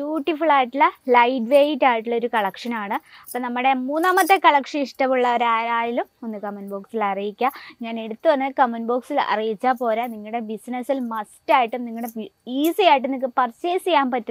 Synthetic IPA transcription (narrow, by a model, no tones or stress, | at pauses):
bjuːʈːifuɭaːjiʈːilɐlɐjʈʋeːjitːaːjiʈːuɭːɐo̞ɾukɐɭɐkʂɐnaːɳɨɐpːoːnɐmːɐɽe̞muːnːaːmɐt̪ːe̞kɐɭɐkʂɐniʂʈɐmuɭːɐoɾaːɾaːjilumo̞nːɨkɐmɐnbo̞ːksilɐrijikʲːaŋaːne̞ɽut̪ːɨʋɐnːkɐmːɐnbo̞ːksilɐ̰rijit͡ɕːaːpo̞ːɾaniŋːɐɽe̞bisnɐsilmɐstaːjiʈːɨmniŋːɐɽeiːsɨjaːjiʈːɨmnikːɨpɐrt͡ɕeːsijaːmpɐtːu